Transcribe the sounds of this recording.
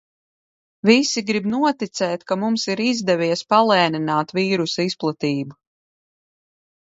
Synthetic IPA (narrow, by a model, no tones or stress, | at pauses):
visiɡɾibnuɔt̪it̪sɛːt̪kamumsiɾizd̪ɛvʲijɛspalˠɛːninaːt̪viːɾusaisplˠat̪iːbu